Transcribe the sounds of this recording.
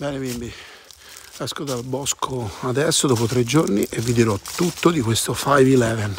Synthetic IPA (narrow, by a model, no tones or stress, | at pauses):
bɛːnebimbi | ɛskod̪albɔskʰoad̪ɛsːod̪ɔːp̬ot̪ɾed͡ʒːorniʔevːid̪iɾɔt̪ːut̪ːod̪ikwest̪ofajvilɛːvɛn